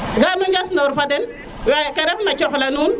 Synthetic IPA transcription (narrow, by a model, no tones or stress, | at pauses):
ɡanuɲd͡ʒasndauɾfadɛn | wakɛɾɛfnat͡ʃɔflanuːn